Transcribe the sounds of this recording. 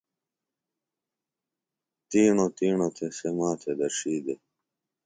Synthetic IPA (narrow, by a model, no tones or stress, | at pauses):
t̪iːɳot̪iːɳot̪ʰesemaːt̪ʰed̪ɐɾʂiːɡ̪e